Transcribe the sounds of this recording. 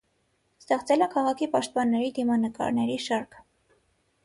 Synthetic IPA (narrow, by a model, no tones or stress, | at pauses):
st̪ɛχt͡sɛləkʰɑʁɑkʰipɑʃt̪̚pɑnːɛɾid̪imɑnəkɑ̰ɾnɛɾiʃɑɾkʰ